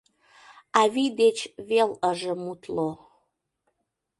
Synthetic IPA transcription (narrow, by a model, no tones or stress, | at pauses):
ɑvid̪et͡ɕveləʒə̆mut̪lo